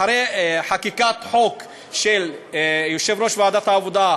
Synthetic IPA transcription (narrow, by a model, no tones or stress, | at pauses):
aɾeħakikat̪ħo̞k | ʃeljoʃe̞vɾo̞ʃveaːd̪at̪haːvod̪a